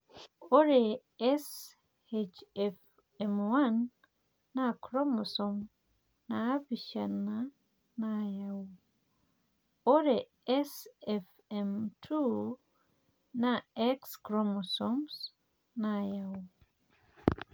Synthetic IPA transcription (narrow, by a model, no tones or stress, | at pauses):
oɾe | ɛs | et͡ʃɛf | ɛmwanː | akɾɔmɔsɔm | naːviʃana | najawu | oɾe | ɛsɛf | ɛmtʰu | naɛkskɾɔmɔsɔms | najawu